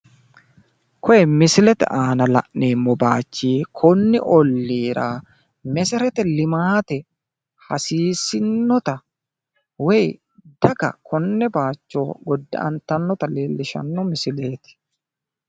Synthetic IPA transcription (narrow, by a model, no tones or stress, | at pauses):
kʰɔjɛmɪsɪlɛt̪ɛ̰ʔaːnɐlɐ̰ʔneːmːɔbaːt͡ʃːiːkʰɔnːɪʔɔlːiːɾʔa̰ː | mɛsɛɾɛt̪ɛlɪmaːt̪ɛ | hɐsiːsɪnːɔt̪ɐ | wɛj | d̪ɐɡɐ̰kʰɔnːɛbaːt͡ʃːo̞ːɡɔd̪ːɪ̰ʔɐ̰nt̪ːɐnːɔt̪ɐleːlːɪʃɐ̰nːɔmɪsɪleːt̪ɪ̥